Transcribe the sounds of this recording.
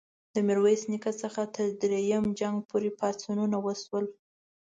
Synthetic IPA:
d̪əmɪɾwejsnikat͡səxat̪əɾd̪ɾejəmd͡ʒaŋɡpʰoɾepɑt͡sununawəswəl

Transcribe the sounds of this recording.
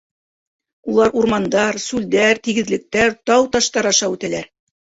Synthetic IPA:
ulˠɑɾuɾmɑnd̪ɑɾsʉld̪æɾt̪iɡɘ̆ðlɘ̆k̚t̪æɾt̪ɑwt̪ɑʃt̪ɑɾɑʃɑʉt̪ælæɾ

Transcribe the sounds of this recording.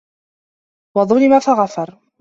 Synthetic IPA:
wɑðˤʊlɪmafaɣafɑɾˤ

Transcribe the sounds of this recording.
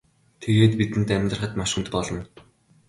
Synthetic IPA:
t̪ʰeɣeːt̪pit̪ɘ̆nt̪æmʲt̪rə̆χə̆t̪maʃɘ̆nt̪pɔɮɞ̆n

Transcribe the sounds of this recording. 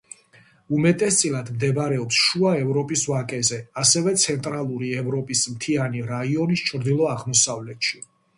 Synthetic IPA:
umɛt̪ʼɛst̪sʼilad̪md̪ɛbɾɛɔpsʃuaɛvɾɔpʼisvakʼɛzɛasɛvɛt̪sʰɛnt̪ʼɾalˠuɾiɛvɾɔpʼismt̪ʰianiɾaiɔnist͡ʃʰʼɾd̪ilˠɔaʁmɔsavlɛt̪ʃi

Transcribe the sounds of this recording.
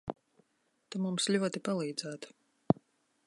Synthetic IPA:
t̪amumslʲuɔt̪ipalˠiːd̪zæːt̪

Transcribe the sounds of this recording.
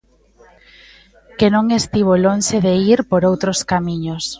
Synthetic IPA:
kenõŋest̪iβ̞olonʃeðeiɾpoɾowt̪ɾoskamiɲos

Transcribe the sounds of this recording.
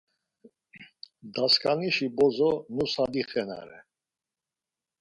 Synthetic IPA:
d̪askʼaniʃibɔzɔnusad̪iχɛna̰ɾɛ̰

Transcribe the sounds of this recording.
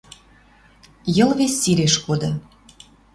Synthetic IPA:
jɤ̆lβesʲːiɾeʃkod̪ŏ

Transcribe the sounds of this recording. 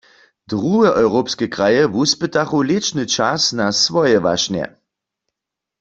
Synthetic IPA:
d̥ʁuɛʔɔwʁopskɛkʁajɛvuspətaχulɪt͡ʃnɨt͡ʃasnasvɔjɛʋa̰ʃnjɛ̰

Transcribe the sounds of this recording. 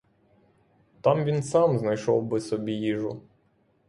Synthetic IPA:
t̪ɑmʋʲinsɑmznɐjʃɔ̰wbɪsɔbʲijiʒʊ

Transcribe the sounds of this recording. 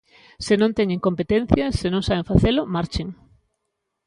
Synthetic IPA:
sɪnõnt̪eɲẽŋkompet̪ẽn̟θjɐsenõŋsaβeɱfaθelʊmaɾt͡ʃeŋ

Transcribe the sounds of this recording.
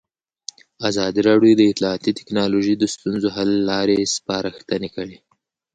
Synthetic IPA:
azɑd̪iɾɑɽjod̪əɪt̪lɑːt̪it̪ɪ̥knɑloʒid̪əst̪unzoɦalːɑɾespɑɾaxt̪ənekəɽe

